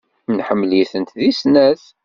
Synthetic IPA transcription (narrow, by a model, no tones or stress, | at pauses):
nħəmːliθənt̪ðisnæθ